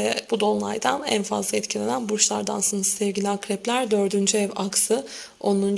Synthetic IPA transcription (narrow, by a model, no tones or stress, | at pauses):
ɛb̥ud̪o̞nˠlˠa̰jd̪anæ̰nfa̰zlˠaɛt̪cʰilʲe̞nænbuɾʃlˠaɾd̪ansɯnɯsɯ̥sɛvɟilʲiakɾɛplʲæɾd̪øɾd̪ynd͡ʒyɛvaksɯ | o̞nːˠun